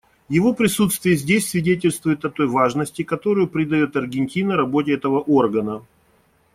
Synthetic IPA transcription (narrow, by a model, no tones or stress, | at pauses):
jɪvo̞pɾʲɪsut̪st̪vʲɪjəzʲdʲesʲsvʲɪdʲet̬ʲɪlʲst̪vʊjɪt̪ɐt̪o̞jvaʐnəsʲtʲɪkɐt̪o̞ɾʊjʊpɾʲɪd̪ɐjo̞t̪ɐrɡʲɪnʲtʲinəɾɐbo̞tʲɪɛt̪əvəʔo̞rɡənə